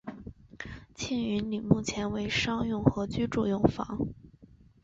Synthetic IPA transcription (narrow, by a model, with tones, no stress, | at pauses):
t͡ɕʰi˥˩ŋy˧˥nli˨˩mu˥˩t͡ɕʰjɛ˧˥nwe˧˥ɪʂɑ˥ŋjʊ˥˩ŋxɤ˧˥t͡ɕy˥ʈ͡ʂu˥˩jʊ˥˩ŋfɑ̰˧˥ŋ